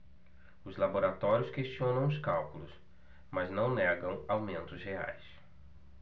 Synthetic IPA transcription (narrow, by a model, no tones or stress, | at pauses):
ʊzlaboɾat̪ɔɾiʊskeʃt͡ʃiõnɐ̃w̃ʊskawkulʊs | maznɐ̃w̃nɛɡɐ̃w̃awmẽnt̪ʊshea̰js